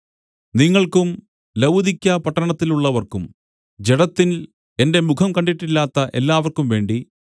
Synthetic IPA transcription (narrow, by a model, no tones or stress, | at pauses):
niŋːɐɭkum | lɐwd̪ʱikʲːɐpɐʈːɐɳɐt̪ːiluɭːɐʋɐrkum | d͡ʑeɽɐt̪ːin | e̞nde̞mukʰɐmkɐɳɖiʈːilːaːt̪ːɐʔe̞̰lːaːʋɐrkumʋe̞ːɳɖi